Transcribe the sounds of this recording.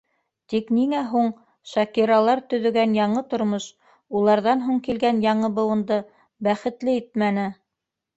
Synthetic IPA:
t̪ikniŋæɦuɴ | ʃɑkiɾɑlˠɑɾt̪ɵ̆ðɵ̆ɡænjɑɴɤt̪ŏɾmoʃ | ulˠɑɾðɑnɦuɴkilɡænjɑɴɤbɤ̆wɤ̆nd̪ɤ | bæχɘ̆t̪lɘit̪̚mænɘ

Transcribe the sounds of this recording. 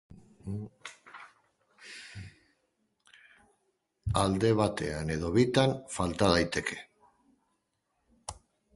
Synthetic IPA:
ald̪e̞β̞at̪e̞̰ane̞ð̞o̞βit̪anfalt̪að̞ajt̪e̞ke̞

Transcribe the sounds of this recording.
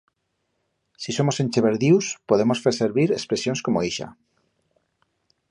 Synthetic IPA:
siso̞mo̞senʲt͡ʃeβeɾðiwspoðemo̞sfeɾse̞ɾβiɾespɾesjonskomoiʃa̰

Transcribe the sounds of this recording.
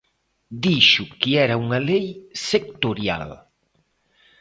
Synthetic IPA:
d̪iʃʊkiɛɾɐuŋɐlejsek̚t̪oɾja̰l

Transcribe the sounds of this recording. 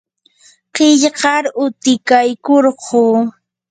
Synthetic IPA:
qɪʎɢɑɾʊt̪ɪkajkoɾɢoː

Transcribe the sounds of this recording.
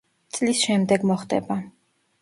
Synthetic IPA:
t̪sʼlisʃɛmd̪ɛɡmɔχd̪ɛ̰ba

